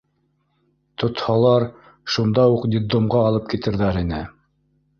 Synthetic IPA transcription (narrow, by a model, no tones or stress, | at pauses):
t̪ŏt̪hɑlˠɑɾ | ʃund̪ɑuqd̪ʲɪd̪omʁɑːlˠɤp̚kit̪ɘ̆ɾðæɾinɘ